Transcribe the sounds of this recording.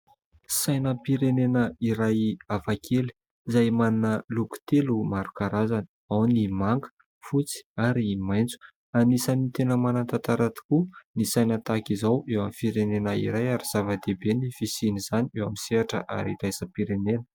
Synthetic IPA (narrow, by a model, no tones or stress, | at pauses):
sajnəpiɾenenəiɾajavakʰeli̥ | izajmaninəluku̥t̪elumaɾukaɾazani̥ | awnimaŋɡə̥ | fut͡si̥aɾimajnt͡su̥ | anisanit̪enəmanant̪at̪aɾat̪i̥kunisajnət̪akizawʔewamifiɾenenəḭɾajaɾiz̥avad̪ebenifisiniz̥aniewamiseaʈ͡ʂə̰ʔa̰ɾiɾajsəpiɾenenə̥